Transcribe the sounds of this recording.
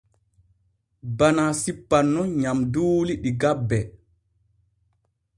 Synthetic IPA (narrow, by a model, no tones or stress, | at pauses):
banasipːanːɔɲamduːliɗiɡabːɛ